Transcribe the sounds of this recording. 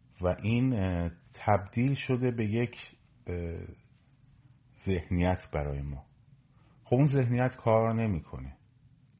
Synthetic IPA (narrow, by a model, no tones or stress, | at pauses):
væʔiːnt̪ʰæbd̪̥iːlʃo̞d̪e̞be̞je̞cʰ | z̥e̞hnijæt̪ʰb̥æɾɒːjemɒː | xobunze̞hnijæt̪kʰɒːɾne̞miːkʰo̞̰ne